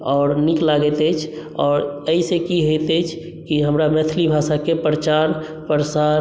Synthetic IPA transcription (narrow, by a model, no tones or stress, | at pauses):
ɔːɾniklaɡɛt̪ət͡ʃʰ | ɔ̰ːɾəisekiɦet̪ɛjt͡ʃʰ | kiɦəmɾamɛt̪ʰlibʱasakepɾət͡ʃaɾ | pəɾəsaɾ